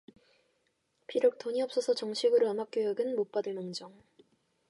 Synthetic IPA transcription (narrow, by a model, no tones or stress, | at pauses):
pʰiɾjok̚t͈ʰoɲiʌp̚s͈ʌsʰʌt͡ɕʌŋɕʰiɡɯɾoʌnmak͈̚jojʌɡɯnmop͈adɯɭmʌŋd͡ʑʌŋ